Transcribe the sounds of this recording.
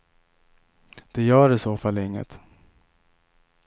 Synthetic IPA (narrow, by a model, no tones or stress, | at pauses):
d̪̥ɛjœːɾɪsoːfalːɪŋːə̰t̪